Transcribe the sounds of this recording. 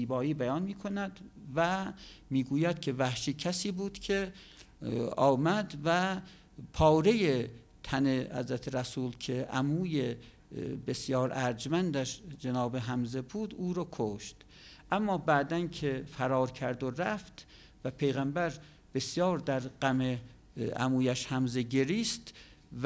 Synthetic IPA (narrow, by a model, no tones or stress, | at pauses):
iːbɒːiːbæjɒːnmiːkʰo̞næd̪væmiːɡuːjæd̪̥̚kʰe̞væhʃiːcʰæsiːbuːd̪̥kʲʰe | ɒːmæd̪væ | pʰɒːɾe̞je | t̪ʰænehæ̰zɾæt̪ʰeɾæsuːlkʰeʔæ̰muːje | besjɒːɾʔæɾd͡ʒmænd̪æʃd͡ʒenɒːbeɦæmzebuːd̪uːɾɒːkʰoʃt̪ | ʔæmːɒːbæʔd̪ænkʰefæɾɒːɾkʰæɾd̪oɾæft̪ | væpʰe̞jɣæmbæɾ | b̥esjɒːɾd̪æɾɢæme | æ̰muːjæʃhæmzeɟe̞ɾiːst̪